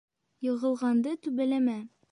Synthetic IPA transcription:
jɤ̆ʁɤ̆lˠʁɑnd̪ɤt̪ʉbælæmæ

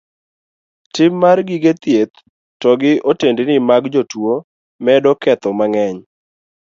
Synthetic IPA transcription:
tɪmːarɡɪɡet̪jet̪ː | ɔɡɪʔotendɪnɪmaɡd͡ʒotwo | mɛdɔkɛt̪ɔmaŋɛɲ

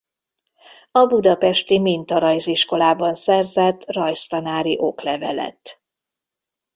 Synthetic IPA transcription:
ɒbud̪ɒpɛʃt̪imint̪ɒɾɒjziʃko̞laːbɒnsɛrzɛt̪ːrɒjst̪ɒnaːɾiʔo̞klɛvɛ̰lɛ̰t̪ː

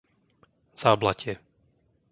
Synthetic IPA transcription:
z̥aːblacɪɛ

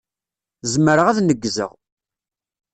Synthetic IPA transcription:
zməɾəʁæðnəɡːzə̰ʁ

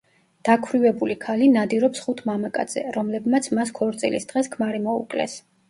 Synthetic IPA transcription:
d̪̥akʰwɾivɛbulikʰalinad̪iɾɔpsχut̪ʰmamakʼa̰d̪z̥ɛ̰ɾɔmlɛbmat̪sʰmaskʰɔɾt̪sʼḭlḭsd̪ʁɛskʰmaɾimɔṵkʼlɛ̰s

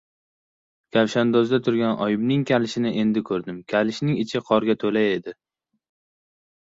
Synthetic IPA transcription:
kʲʰavʃand̪ɒzd̪at̪ʰʊɾɡʲanʔɒjɪbnɪŋkʲʰalɪʃɪnɪʔe̞nd̪ɪkʰɵɾd̪ɪmkʲʰalɪʃnɪŋɪt͡ʃʰɪqʰɒɾɡʲat̪ʰɵlaje̞d̪ɪ

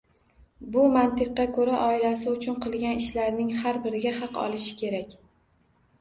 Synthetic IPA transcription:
bʊmant̪ɨqːɑkʰɵɾaʔɒɪlasɪʊt͡ʃʰʊnqʰɨlˠɡʲanɪʃlaɾnɪŋhaɾbɪɾɪɡʲahɑqɒ̰lɪʃɪ̥kʲʰe̞ɾakʲ

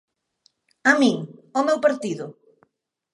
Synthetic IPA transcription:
amĩŋɔmewpaɾt̪iðʊ

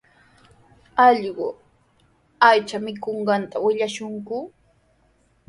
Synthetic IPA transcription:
ɑʎɢʊ | ajt͡ʃamɪkoɴɢɑnt̪awɪʎaʃʊŋkʊ

